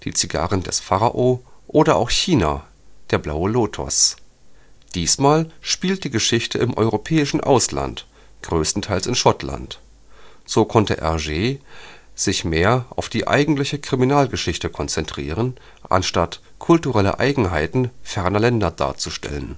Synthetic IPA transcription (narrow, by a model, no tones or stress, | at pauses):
d̥ḭːt͡siɡa̰ːʁəndɛsfaʁaʔoʔoːdɐʔa̰ʊxçiːna̰ | d̥eːɐblaʊəloːtʰɔ̰s | d̥iːsmaːlʃpiːlt̚d̥iːɡəʃɪçtəɪmʔɔ̰ʏʁopʰɛːɪʃn̩ʔa̰ʊsla̰nt | ɡ̥ʁøːstn̩tʰaɪlsɪnʃɔtʰla̰nt | z̥oːkʰɔntəʔɛ̰ɐʒeː | z̥ɪçmeːɐʔaʊfd̥iːʔa̰ɪɡŋ̩tlɪçəkʁ̥iminaːlɡəʃɪçtəkʰɔnt͡sɛntʁ̥ḭːʁ̞ən | ʔa̰nʃtat | kʰʊltuʁɛlə̰ʔa̰ɪɡŋ̩ɦaɪtn̩fɛɐnɐlɛndɐda̰ːɐt͡suʃtɛ̰lən